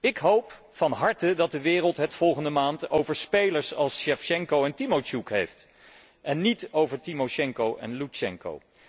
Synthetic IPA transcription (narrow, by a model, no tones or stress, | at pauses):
ɪkɦowp | fɑnɦɑɹtədɑt̚dəʋɪːrəlˠtɦətfɔlˠχəndəmaːntowvəɹspejləɹsɑlˠsʃɛfʃɛŋkowɛntimot͡ʃukɦejft | ʔɛnːitowvəɹtimoʃɛŋkowʔɛ̰nlut͡ʃɛŋko̰w